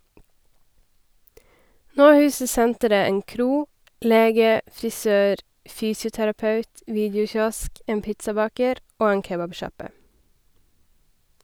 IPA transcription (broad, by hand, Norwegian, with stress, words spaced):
ˈnoː ˈhʉːsə ˈsɛntəɾə ˈeːn ˈkɾuː ˈleːɡə fɾɪˈsøːɾ ˈfyːsɪʊtæɾɑˌpɑʉt ˈʋiːdəʊˌçɔsk ˈeːn ˈpɪtsɑˌbɑːkəɾ ˈoː ˈeːn ˈkeːbɑbˌʃɑpə